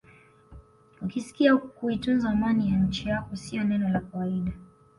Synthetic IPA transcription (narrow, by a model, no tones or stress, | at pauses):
ukisi̥kiakuitunzaːmanijaɲ̩t͡ʃijakɔsiɔnɛnɔlakawaiɗa